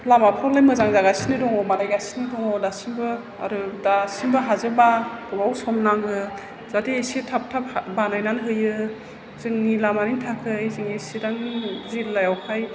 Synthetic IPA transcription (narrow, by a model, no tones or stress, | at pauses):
lamapʰɔlajmɯzaŋzaɣasinidɔŋɔmalajɡasi̥nidɔŋɔdasinbɯ | a̰ɾɯdasinbɯɦazɯbab̥ɔbawsɔmnaŋɯ | z̥atiesitʰap̚tʰap̚banajnanɦɯjɯ | z̥ɯŋnilamanintʰakʰɯjzɯŋisidaŋzilːajawkʰaj